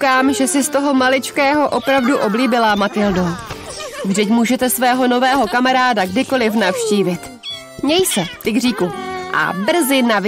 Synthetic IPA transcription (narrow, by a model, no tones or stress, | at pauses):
kaːmʒɛsɪst̪o̞ɦo̞malɪt͡ʃkɛːɦo̞ʔo̞pɾavduʔo̞bliːbɪlamat̪ɪldo | vdɛcmuːʒɛt̪ɛsvɛːɦo̞no̞vɛːɦo̞kamaɾaːdaɡdɪko̞lɪfnafʃciːvɪt̪ | ɲɛjsɛt̪ɪɡriːkuʔa̰br̩zɪnav